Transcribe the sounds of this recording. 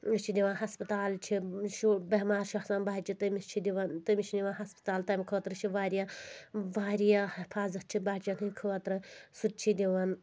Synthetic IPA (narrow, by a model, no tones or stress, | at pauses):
it͡ʃʰid̪ʲiʋãːnɦɐspɐt̪aːlt͡ʃʰiʃubɐɦmaːɾʃɐxsaːnbaːt͡ʃit̪ɐmit͡ʃʰid̪iʋɐnt̪ɨmʲit͡ʃʰid̪ʲiʋanɦɐspə̥t̪aːlt̪ɐmʲikʰoːt̪ɾɨt͡ʃʰiʋaːɾijaʋaːɾijahifʰaːzɐt̪̚t͡ʃʰibaːt͡ʃinɨkʰoɐt̪ɾɨsut̪̚t͡ʃʰid̪ʲiʋɐn